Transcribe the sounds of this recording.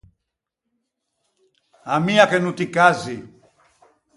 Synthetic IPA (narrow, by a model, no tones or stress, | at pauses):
amiakɛnutikazi